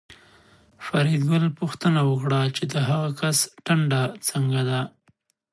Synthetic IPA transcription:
faɾid̪ɡʊlpuxt̪ənawəkɽat͡ʃed̪əɦaɣakasʈaɳɖat͡səŋɡad̪a

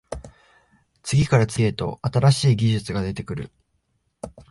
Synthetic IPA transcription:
t͡sɨɡʲikaɾat͡sɨe̞t̪o̞̰at̪aɾaɕiːɡʲiʑɨt͡sɨɡad̪e̞t̪e̞kɯ̟ɾɯ̟̰

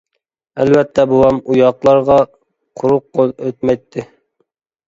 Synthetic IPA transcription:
ælvɛt̪ʰːɛbuwɑmujɑqlˠɑɾʁɑ | qʰʊɾʊqʰːolˠøt̪̚mɛjt̪ʰːɪ

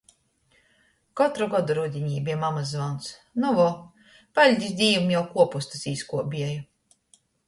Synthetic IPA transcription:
kɔt̪ɾuɡɔd̪uɾud̪ʲiɲʲiːbiɛmamazvawnsnuvɔ | palʲd̪ʲisd̪ʲiːumjawkuɔpust̪asiːskuɔbʲiɛju

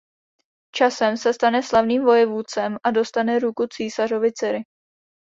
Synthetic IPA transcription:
t͡ʃasɛmsɛst̪anɛslavniːmvo̞jɛvuːt͡sɛmʔado̞st̪anɛɾukut͡siːsar̝o̞vɪt͡sɛɾɪ

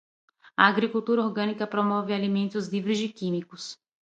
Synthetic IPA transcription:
ɐ̰aɡɾikuwt̪uɾɐoɾɡɐ̃nikɐpɾomɔvɪalimẽnt̪ʊzlivɾɪzd͡ʒɪkĩmikʊs

